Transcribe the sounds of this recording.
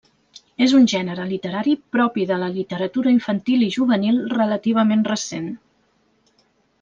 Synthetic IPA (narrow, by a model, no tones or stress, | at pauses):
ezunʲʒɛnəɾəlit̪əɾaɾipɾɔpiðələlit̪əɾət̪uɾəiɱfənt̪ilˠiʒuβənilˠrələt̪iβ̞əmenrəsen